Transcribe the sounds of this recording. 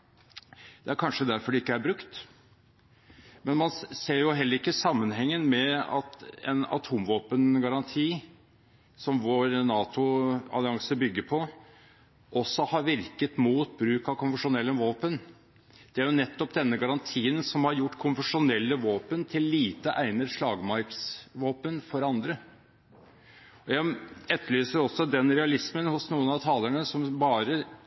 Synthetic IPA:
d̪̥ɛæɾkʰɑnʂəd̪æɾfɔɖɛɪkːəæɾbɾʉkt̪ | mɛnmɑnseːɾjʊɦɛlːəɾɪkːəsɑmːənɦɛŋːənmɛɑ̰t̪ɛ̰nɑ̰t̪ʰuːmʋoːpənɡɑɾɑnt̪ʰiː | sɔmʋoːɾnɑːt̪ʊɑ̰lɪɑŋsəbʏɡːəpʰɔ | ʔɔsːɔhɑɾʋɪɾkət̪muːt̪bɾʉːkɑkʰʊnfəʂʊnɛlːəʋoːpən | d̪̥ɛæɾjʊnɛt̪ːɔpd̪ɛnːəɡɑɾɑnt̪ʰiːənsɔmhɑɾjʊʈːkʰʊnfəʂʊnɛlːəʋoːpənt̪ʰɪlːiːt̪əʔæɪnəd̪ʂɭɑːɡmɑɾksʋoːpənfɔɾɑnd̪ɾə | ɔjæɪɛt̪ʰːəɭyːsəɾɔsːɔd̪ɛnɾɛɑlɪsmənhʊsnuːənɑʋt̪ʰɑːləɳəsɔmbɑːɾə

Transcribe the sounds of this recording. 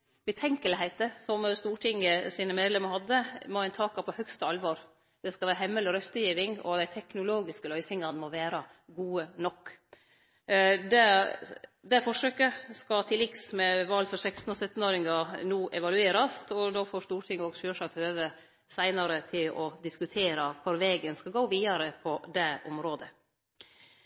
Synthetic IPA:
bɛt̪ʰɛŋkəlhæɪt̪əsɔmst̪uːʈʰɪŋəsiːnəmeːd̪lɛməɾhɑd̪ːəmɔɛnt̪ʰɑːkɑpʰɔhœkst̪əɑlʋɔɾ | d̪̥ɛskɑʋæːɾɦɛmːələɾœst̪əjiːʋɪŋɔ̰d̪æɪt̪ʰɛknʊloːɡɪskəlœʏsɪŋɑnəmɔʋæːɾɑ | ɡuːənɔkː | d̪ɛ | d̪ɛfɔʂøːkəskɑt̪ʰɪlɪksmɛʋɑlːfɔɾsɛkst̪n̩ɔsœt̪ːn̩oːɾɪŋɑnuːʔɛʋɑlʉeːɾɑsɔd̪oːfoːɾʂt̪uːɾʈ̪ʰɪŋːoːɡʃøːʂɑt̪øːʋə | sæɪnɑɾət̪ʰɪlɔd̪ɪskʉt̪ʰeːɾɑkʰʊɾʋeːɡənskɑɡoːʋiːɑɾəpʰɔd̪ɛʔʊmɾoːd̪ə

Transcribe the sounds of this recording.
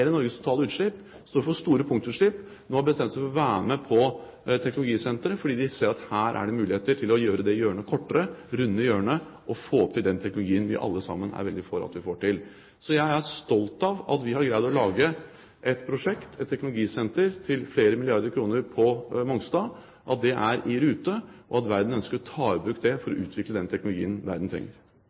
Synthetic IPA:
ɾənɔɾɡəst̪ʰʊ̥t̪ʰɑːləʉːt̪ʂɭɪp | st̪oːɾfɔst̪uːɾəpʰʊŋt̪ʉʂɭɪpː | noːbəst̪ɛməsəfɔɾɔʋæːməpʰɔ | t̪ʰɛknʊlʊɡiːsɛnt̪ɾəfɔɖiːd̪ɪseːɾɑt̪hæːɾʔæ̰ɖɛmʉːlɪheːt̪əʈʰɪlɔjøːɾəd̪ɛjøːəɳəkʰɔʈːəɾəɾʉnːəjøːəɳə | ʔɔfoːt̪ʰɪld̪ɛnt̪ʰɛknʊlʊɡiːənʋɪ̰ʔɑ̰lːəsɑ̰mːənæ̰ɾʋɛld̪ɪfoːɾɑ̰t̪ʋɪfoːʈɪl | sɔjæɪæɾʂt̪ɔlt̪ɑʋɑ̰t̪ʋɪhɑɾɡɾæɪd̪ɔlɑːɡə | ʔɛt̪pʰɾʊʂɛkt̪ɛt̪ʰːɛknʊlʊɡiːsɛnt̪əɾt̪ʰɪlfleːɾəmɪlɪɑɾd̪əɾkʰɾuːnəɾpʰɔmɔŋst̪ɑ | ʔɑt̪̚d̪ɛʔæɾɪɾʉːt̪əʔɔɑt̪ʋæɾd̪n̩œnskəɾɔt̪ʰɑːəbɾʉkd̪ɛfɔɾɔʔʉːt̪ʰʋɪkləd̪ɛnt̪ʰɛknʊlʊɡḭːənʋæ̰ɾd̪n̩t̪ʰɾɛ̰ŋːəɾ

